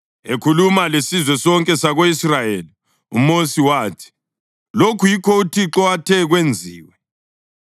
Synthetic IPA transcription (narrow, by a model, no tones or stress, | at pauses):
ekʰulumalesizwɛsɔŋkʼɛsaɣoisrajeːli | ṵmosiwaːtʰi̥ | lokʰujikʰɔutʰiǁɔatʰɛɣwend͡zʱiːwɛ